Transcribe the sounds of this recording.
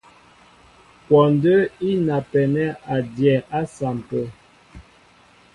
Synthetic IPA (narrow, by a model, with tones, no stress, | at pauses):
pɔ˨ndə˦i˦na˨pɛ˨nɛ˦a˨djɛ˨a˦sa˨m˨pə˦